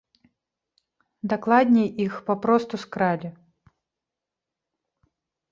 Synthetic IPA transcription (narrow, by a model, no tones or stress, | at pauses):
d̪aklˠad̪ʲnʲɛjʔixpapɾɔst̪uskɾalʲi